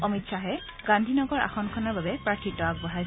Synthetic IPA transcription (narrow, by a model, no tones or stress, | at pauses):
ɔmitsaɦɛ | ɡãndʱinɔɡɔɹa̰xɔnkʰɔnɔɹbabɛpɹaɹtʰitɔak̚bɔɦaj